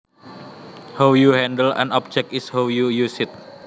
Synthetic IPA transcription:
hawjuhɛndəlɛ̰̃nɔp̚d͡ʒɛk̚ishawjujusɪt̪̚

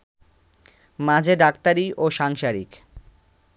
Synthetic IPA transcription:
mãd͡ʑʱeɖakt̪aɾiʔoʃaŋʃaɾḭk

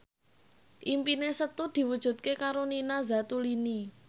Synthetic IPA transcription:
ʔimpinesət̪ud̪̥i̤wud̥ʒ̥ṳt̪̚kekaɾoninazat̪ulini

